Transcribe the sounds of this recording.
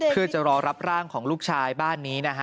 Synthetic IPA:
pʰɯ˥˩ət͡ɕa˨˩ɾɔː˧ɾa˦˥p̚ɾaː˥˩ŋkʰɔː˩˦ŋluː˥˩k̚t͡ɕʰaː˧jbaː˥˩nːiː˦˥na˦˥kʰa˦

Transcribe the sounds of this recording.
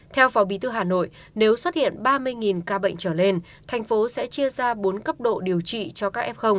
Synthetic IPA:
t̪ʰɛ˧wfɔ˨˦ɓi˨˦t̪ʰɨ˧ɦaː˨˩no̰˧˨j | ne˨˦wswə˦˥t̚hḭ˧˨ənɓaː˧mɨ˧əjŋi˨˩nkaː˧ɓə̰˧˨jŋ̟t͡ɕəː˧˩le˧n | t̪ʰɛ˨˩jŋ̟fo˨˦sɛ̰˧˥t͡ɕi˧əzaː˧ɓo˨˦nkə˦˥p̚ɗo̰˧˨ɗi˨˩əwt͡ɕḭ˧˨t͡ɕɔ˧kaː˦˥k̚ʔɛ˦˥p̚xə˧wŋ͡m

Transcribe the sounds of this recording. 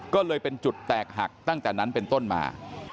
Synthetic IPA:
kɔː˥˩lɤː˧jpe˧nt͡ɕu˨˩t̪ːɛː˨˩k̚ɦa̰˨˩k̚t̪a˥˩ŋt̪ɛː˨˩na˦˥npe˧nt̪o˥˩nma̰ː˧

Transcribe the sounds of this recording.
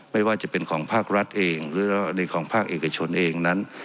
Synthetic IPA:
ma˥˩jwaː˥˩t͡ɕa˧˩˨pe˧nkʰɔː˩˦ŋpʰaː˥˩k̚ɾa˦˥t̪̚ʔeː˧ŋɾɯː˩˦˧na˧˩jkʰɔː˩˦ŋpʰaː˥˩k̚ʔeː˨˩ka˧t͡ɕʰo˧nʔeː˧ŋna˦˥n

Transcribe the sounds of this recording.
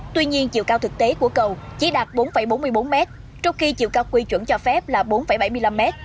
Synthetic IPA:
t̪wi˧ɲi˧ənt͡ɕḭ˧˨wkaː˧wt̪ʰɨ˨˩k̚t̪e˨˦ku˧˩əkə˨˩wt͡ɕi˨˧˦ɗaː˨˩t̚ɓo˨˦nfə˧˩jɓo˨˦nmɨ˧əjɓo˨˦nmɛ˦˥t̚ | t͡ɕɔ˧wŋ͡mxi˧t͡ɕḭ˧˨əwkaː˧wkwi˧t͡ɕwə̰˧˩nt͡ɕɔ˧fɛ˦˥p̚laː˨˩ɓo˨˦nfə˧˩jɓa˧˩jmɨ˧jla˧mːɛ˦˥t̚

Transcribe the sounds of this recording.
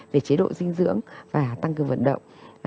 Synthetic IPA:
ve˨˩t͡ɕe˨˦ɗo̰˧˨zï˧ŋ̟zɨ̰˧˥əŋvaː˨˩t̪a˧ŋk̬ɨ˨˩əwvə̰˧˨nɗə̰˧˨wŋ͡m

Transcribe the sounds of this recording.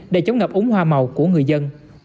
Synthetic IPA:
ɗḛ˧˩˦t͡ɕə˧˨˦wŋ͡mŋə˨˩p̚ʔʊ˨˦ŋ͡mhwaː˧ma˨˩wku˧˩əŋɨ˨˩əjzə˧n

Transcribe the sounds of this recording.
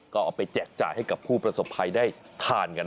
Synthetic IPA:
kɔː˥˩ʔɔː˨˩pa˧jt͡ɕɛː˨˩k̚t͡ɕa̰ː˨˩jha˥˩jka˨˩pʰuː˥˩pɾa˧so˨˩pʰːa˧jdaː˥˩jt̪ʰaː˧nka˧n

